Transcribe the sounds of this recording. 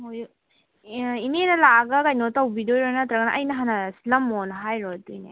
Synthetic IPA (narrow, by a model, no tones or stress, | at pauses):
moj | inenɐlaɡɐkajnotɐwbidojɾonɐt̪ɾɐɡnɐʔɐjnɐɦanɐsi̥lɐmːonɐɦajɾotujnḛ